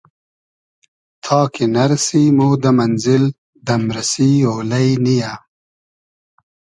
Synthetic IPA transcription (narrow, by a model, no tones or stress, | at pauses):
t̪ʰɑːkʰenɐɾɐsimod̪əmɐnzɪl | d̪ɐmɾɐsioːlɐjnija